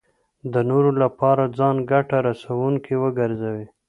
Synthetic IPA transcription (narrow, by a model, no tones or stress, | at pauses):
d̪ənoɾolapɑɾad͡zɑnɡaʈaɾasawuŋkewəɡaɾzawi